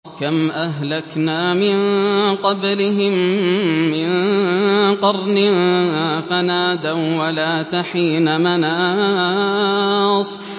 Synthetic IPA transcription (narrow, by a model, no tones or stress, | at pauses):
kamʔaɦlaknaːmɪnqɑblɪɦɪmː | ɪn | qɑɾˤnɪ | fanaːd̪awalaːt̪aħiːnamanaː | sˤ